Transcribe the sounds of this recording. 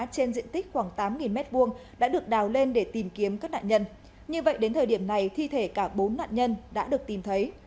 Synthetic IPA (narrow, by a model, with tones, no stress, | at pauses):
t͡ɕe˧nzḭ˧˨ənt̪ï˦˥k̟̚xwaː˧˩ŋt̪aː˨˦mŋi˨˩nmɛ˦˥t̚ɓu˧əŋɗa̰ː˧˥ɗɨ˨˩ək̚ɗaː˨˩wle˧nɗe˧˩t̪i˨˩mki˨˦əmkaː˦˥k̚na̰ː˧˨ɲə˧n | ɲɨ˧və̰˧˨jɗe˨˦nt̪ʰəː˨˩ɗi˧˩əmna˨˩jt̪ʰi˧t̪ʰe˧˩kaː˧˩ɓo˨˦nːa̰ː˧˨nɲə˧nɗa̰ː˧˥ɗɨ˨˩ək̚t̪i˨˩mt̪ʰə˨˦j